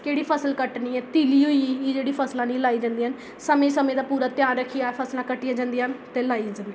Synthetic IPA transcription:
keːɽiːpʰəsəlkəʈniːɛːt̪iːliːɦoiːed͡ʒeːɽiːpʰəslãːnĩːlaːiːd͡ʒãːnd̪iːɦən | səmẽːsəmẽːd̪aːpuːɾaːt̪jaːnɾəkʰːijaːpʰəslãːkəʈːijãːd͡ʒãːnd̪iːɦənt̪eːlaːiad͡ʒãːnd̪i

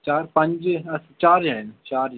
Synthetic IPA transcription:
t͡ʃaːɾpɐ̃ɲd͡ʒɐst͡ʃaːɾjɛnt͡ʃaːɾj

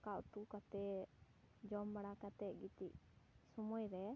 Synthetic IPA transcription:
kaʔt̪ukat̪ɛ | d͡ʒɔmbaɽakat̪ɛʔɡit̪iʔsɔmɔjɾɛ

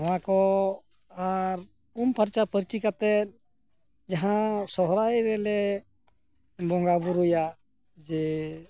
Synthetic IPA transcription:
awakɔ | aɾ | umpəɾt͡ʃapəɾt͡ʃikat̪ɛt̪̚ | d͡ʒaɦãsɔɦɾajɾɛlɛ | bɔŋɡabuɾuja | d͡ʒɛ

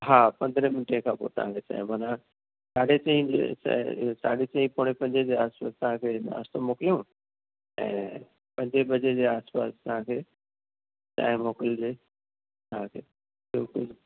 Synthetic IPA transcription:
ɦaːpɐ̃nd̪ɾəmɪnɪʈẽkʰãːpo̰ːt̪ɐ̰ɦãːkʰeːt͡ɕa̰ːɦĩmaːna | saːɽet͡ɕɐ̃ɦĩd͡ʑḛssa̰ːɖet͡ɕɐ̃ɦĩpoɽ̃epɐ̃ɲd͡ʑed͡ʑeaːspa̰ːst̪ɐɦãkʰeːna̰ːst̪omoːkɪlijõ | ɛ̰̃ː | pɐ̃ɲd͡ʑebʱɐd͡ʑed͡ʑeːaːspa̰ːst̪ɐʋɦãkʰeː | t͡ɕa̰ːɦmoːkɪld͡ʑeː | t̪ɐɦãkʰeː | bɪlkʊl

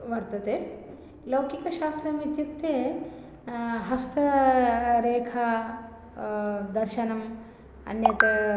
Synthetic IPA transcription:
ʋɐɾt̪ɐt̪eː | lɐwkikɐʃaːst̪ɾɐmit̪jut̪ːjeː | ɦɐst̪ɐ | ɾeːkʰɐ | d̪ɐɾʃɐnɐm | ɐ̰njɐt̪ɐ

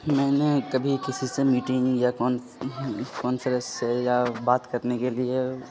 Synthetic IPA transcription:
mɛ̃ːnekɐbʱikɪsisemiːʈɪ̃ŋjakɔːn | kɔːnsəɾəssejabaːt̪kɐɾnekelie

